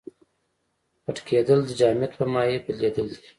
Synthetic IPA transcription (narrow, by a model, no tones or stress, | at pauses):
pəʈkʰed̪əld̪əd͡ʒɑːmjat̪pəmɑjepəled̪əld̪i